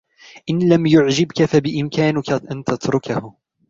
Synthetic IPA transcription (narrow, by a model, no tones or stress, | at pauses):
ʔɪnlamjʊʕd͡ʒɪbkafabɪʔɪmkaːnɪkaʔant̪at̪ɾʊkahʊ